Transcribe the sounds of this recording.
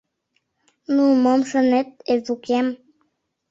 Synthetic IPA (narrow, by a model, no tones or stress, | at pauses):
numəmʃənet̪̚ezukem